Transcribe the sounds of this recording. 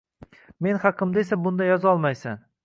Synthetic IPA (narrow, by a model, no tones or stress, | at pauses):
me̞nχɑqʰːɨmd̪aes̬abʊnd̪ajɒzɒlˠmajsan